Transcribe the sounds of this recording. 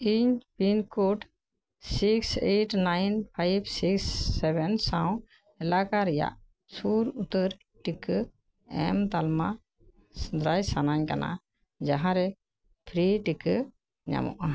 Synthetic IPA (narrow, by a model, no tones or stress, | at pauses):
iɲpinkoʈ | sikseʈnajnpʰajbsiksːɛbɛnsaw | ɛlakaɾɛja̰ʔ | suɾut̪əɾ | ʈik | ɛ̰mt̪alma | sd̪ɾajsanaɲkana̰ | d͡ʒaɦãɾɛ | pʰɾiʈik | ɲa̰mɔ̰ʔa